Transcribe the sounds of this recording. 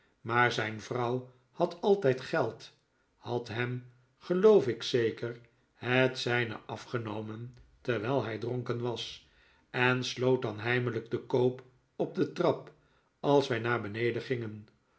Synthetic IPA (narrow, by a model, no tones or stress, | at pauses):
maːɹzɛjnvrɑw | hɑtɑlˠtɛjtχɛlˠt | hɑtɦɛm | χəlowfɪksejkər | hətsɛjnə̰ʔɑfχənowməntɛɹʋɛːlˠɦɛjdroŋkənʋɑs | ɛnslowt̚dɑnɦɛjmələɡ̚dəkowp | ɔb̚dətrɑp | ɑlˠsʋɛjnaːɹbənejdəχɪŋən